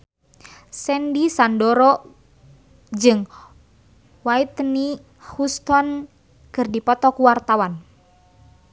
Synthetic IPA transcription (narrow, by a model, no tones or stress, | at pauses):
sɛndisandɔɾɔ | d͡ʒɨŋ | wait̪ni | hust̪ɔn | kɨrdipɔt̪ɔkuwart̪awan